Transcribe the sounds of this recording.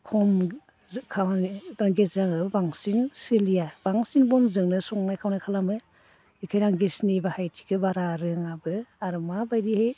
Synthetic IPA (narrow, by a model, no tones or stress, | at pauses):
kʰɔm | kʰawntaŋɡesɾaŋɯbbaŋsiŋsɯlijab̥aŋsiŋbɔnzɯŋnɯsɔŋnajkʰawnajkʰalamɯ | ikʰajɾaŋɡesnibahajtʰi̥kʰɯbaɾaɾɯŋabɯaɾmabajɾihej